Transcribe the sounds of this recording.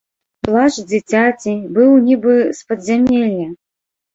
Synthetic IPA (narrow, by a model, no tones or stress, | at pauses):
plˠaʐd͡zʲit͡sʲat͡sʲibɨwnʲibɨspɐd̪zʲamʲɛlʲjɐ